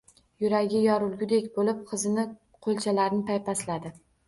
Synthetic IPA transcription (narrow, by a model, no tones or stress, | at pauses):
jʊɾaɡʲɪjɒɾʊlˠɡʲʊd̪ekʲbolɪp̚qʰɨzɪnɪ | qʰolˠt͡ʃʰalaɾɪnɪt̪ʰajpaslad̪ɪ